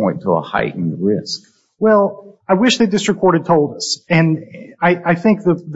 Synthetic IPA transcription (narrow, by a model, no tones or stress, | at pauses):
ɔ̃ɪ̃ntʰəə̰ha̰ɪʔɪ̃ŋɹɪsk | wɛlˠaɪwɪʃðeɪdɪstɹ̥ɨkʰɔɹɾɨd̚tʰoʊlˠd̪əsɨ̃naɪʔaɪθɪ̃ŋk̚ðɨð